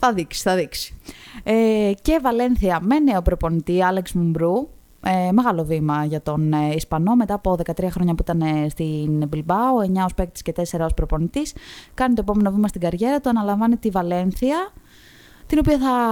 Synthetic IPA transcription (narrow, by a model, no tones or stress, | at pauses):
θɐðiksi̥θɐðiksi̥ece̞vɐle̞nθiɐme̞neopɾo̞po̞nit̪iɐleksmumbɾu | eme̞ɣɐlo̞vimɐʝɐt̪o̞nispɐno̞me̞t̪ɐːpo̞ðe̞kɐt̪ɾiɐxɾo̞ɲɐpuit̪ɐnest̪inbilbɐue̞ɲɐo̞spekt̪i̥sce̞t̪ese̞ɾɐo̞spɾo̞po̞nit̪iskɐnit̪oe̞p̬o̞me̞no̞vimɐst̪iɡɐɾʝe̞ɾɐt̪uɐnɐlɐɱvɐnit̪ivɐle̞nθiɐ | t̪ino̞piɐθɐ